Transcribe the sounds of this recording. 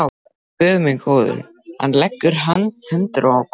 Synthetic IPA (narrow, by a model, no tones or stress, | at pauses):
pœːɣmɪnkʰoːwðʏ̰ɾ | ha̰nlɛkːʏɾ̥ɦanːhʏnt̪ɾaawkʰ